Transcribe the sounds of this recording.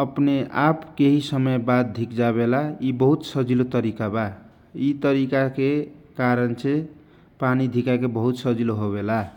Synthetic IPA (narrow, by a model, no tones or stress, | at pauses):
ʌpneapʰkeɦisʌmʌjbad̪̚d̪ʱikd͡zaβelaibʌɦut̪sʌd͡zilot̪ʌɾikaba | it̪ʌɾikakekaɾʌnt͡sʰẽ | panid̪ʱikakebʌɦut̪sʌd͡ziloɦobela